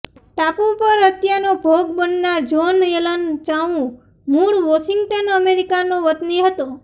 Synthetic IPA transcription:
ʈapũpəɾət̪janobʱoɡ̚bənːaɾd͡ʒonelənt͡ʃaʋũ | muɭʋɔʃɪŋɡʈənəmeɾikanoʋət̪niɦət̪o

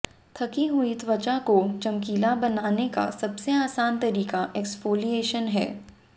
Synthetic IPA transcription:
t̪ʰɐkiɦʊit̪ʋɐt͡ʃakot͡ʃɐmkiːlabɐnaːneka̰sɐbseaːsaːnt̪ɐɾiːkaʔɛkspoːlieːʃənɦɛ̰ː

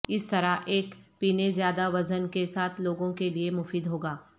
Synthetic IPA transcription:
ɪst̪ɐɾaʔeːkpiːnezjaːd̪aʋɐzənkesaːt̪ʰloːɡõkeliemʊfiːd̪ɦoːɡaː

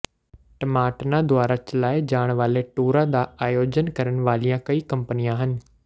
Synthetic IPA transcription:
ʈɐmaːʈnãd̪waːɾat͡ʃəlaːɪd͡ʑaːɽ̃ʋaːleʈoːɾad̪aaːjoːd͡ʑənkɐɾəɽ̃ʋaːlijãkɐikɐ̃mpənijãɦənɪ̆

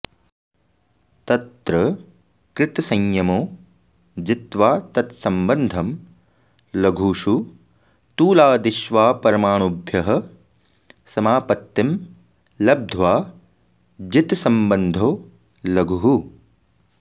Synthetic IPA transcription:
t̪ɐt̪ɾɐ | kɾɪt̪ɐsɐŋjɐmoː | d͡ʒit̪ʋaːt̪ɐt̪sɐmbɐnd̪ʱɐm | lɐɡʱuːʃu | t̪uːlaːd̪iʃʋaːpɐɾɐmaːɳubʱjɐɦɐ | sɐmaːpɐt̪ːim | lɐb̚d̪ʱʋaː | d͡ʒit̪sɐmbɐnd̪ʱoː | lɐɡʱuɦu

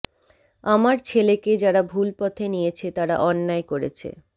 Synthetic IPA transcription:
amaɾt͡ɕʰeleked͡ʑaɽabʱulpɔt̪ʰenijet͡ɕʰet̪aɾa̰ʔɔnːaekoɾḛt͡ɕʰḛ

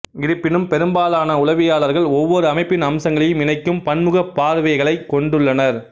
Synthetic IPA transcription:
ɡɪɾɯpːɪnɯmpɛɾɯmbaːlaːnɐʊlɐʋɪjaːlɐɾɣɐɭɔʋːɔɾɯɐmɐɪpːɪnɐmsɐŋɡɐɭɐjɯmɪnɐɪkːɯmpɐɳmɯɣɐpːaːɾɯʋɐɪɣɐɭɐɪkːɔɳɖɯɭːɐnɐɾ

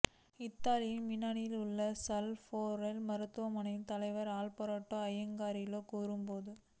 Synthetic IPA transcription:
ɪt̪ːaːlɪjɪnmɪnɐnɪjɪlʊɭːɐsɐlfoːɾɐlmɐɾɯt̪ːɯʋɐmɐnɪnt̪ɐlɐɪʋɐɾaːlpɔɾaːʈːoːɐjɐŋɡaːɾɪjloːkuːɾɯmpoːðɯ

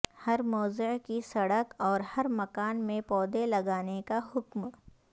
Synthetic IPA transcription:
hɐɾmɔːzɪʕkisɐɽəkɔːɾhɐɾmɐkaːnmẽpɔːd̪elɐɡaːnekaɦʊkm

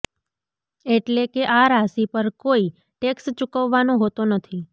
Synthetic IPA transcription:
eʈlekeʔaɾasipəɾkoi | ʈekst͡ʃukəʋːanõɦot̪onət̪ʰi

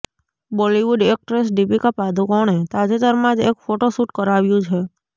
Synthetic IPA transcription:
boliʋuɖek̚ʈɾesɖipikapad̪ʱukɔɳ̃et̪ad͡ʒet̪əɾmãd͡ʒekfoʈosuʈkəɾaʋjũt͡ʃʰe

